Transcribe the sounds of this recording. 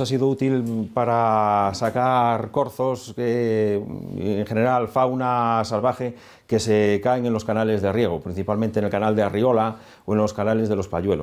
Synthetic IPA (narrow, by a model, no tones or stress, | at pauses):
asiðout̪ilpaɾasakaɾko̞ɾθose | ḛŋχene̞ɾalfawnasalβaxe | ke̞sekaeŋenloskanale̞zðearje̞ɣ̞opɾin̟θipalmẽnt̪enelkanald̪eario̞la | oẽnlo̞skanale̞zðelo̞spaʎwe̞lo